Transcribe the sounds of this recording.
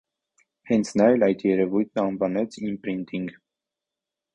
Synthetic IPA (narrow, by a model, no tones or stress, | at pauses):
hɛnt͡sʰnɑjɛlɑjt̪ʰjɛɾɛvujt̪̚ʰnəɑnvɑnɛt͡sʰimpɾint̪iŋɡ